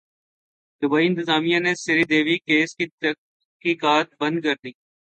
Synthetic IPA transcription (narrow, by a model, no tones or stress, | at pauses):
d̪ʊbaːiɪ̃nt̪ɪzaːmijãnesɪɾid̪eːʋikeːskiə | kiːkaːt̪̚bə̃nd̪̚kəɾd̪iː